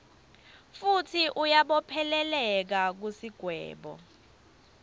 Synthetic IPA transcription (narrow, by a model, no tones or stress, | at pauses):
futʰiʔujaɓɔpʰɛlɛlɛk̬ak̬usiɡ̥ʱwɛ̰ːɓɔ̰